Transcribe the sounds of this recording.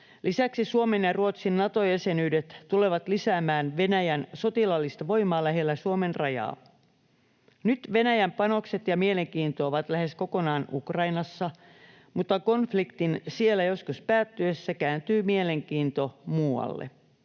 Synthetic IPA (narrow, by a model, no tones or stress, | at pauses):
lisæksisuomenjɑruot̪sinːɑt̪ojæse̞nyːdet̪tule̞ʋɑt̪lisæːmæːnʋe̞næjænsot̪ilɑlːist̪ɑʋo̞jmɑːlæɦe̞lːæsuomenrɑjɑ̰ː | nyt̪ʋe̞næjæmpɑno̞kse̞t̪jɑmiele̞ŋkiːnt̪oːʋɑt̪læɦe̞sko̞ko̞nɑːnʔukrɑinɑsːɑ | mut̪ːɑko̞nflikt̪insielːæjo̞skuspæːt̪ːyesːækæːnt̪yːmiele̞ŋkiːnt̪o̞muːɑ̰lːḛ